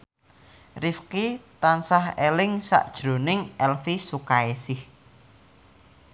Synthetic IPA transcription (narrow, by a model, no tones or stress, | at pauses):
rifkit̪ansahelɪŋsa̰ʔd̥ʒ̥ɾo̤nɪŋʔɛlfisukaesɪh